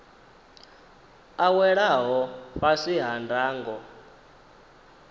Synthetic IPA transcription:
awɛɺaɦɔɸaʂiɦandʱaːŋɡɔ

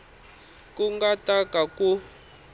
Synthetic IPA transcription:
kuŋɡatʼakaku

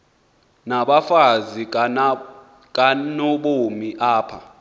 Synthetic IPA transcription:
naɓafazi | k̬ʼanoɓomiʔaːpʰa̰

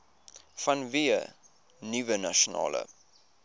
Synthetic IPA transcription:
fɐnviə | nivənɐʃonɑ̰ːlə̰

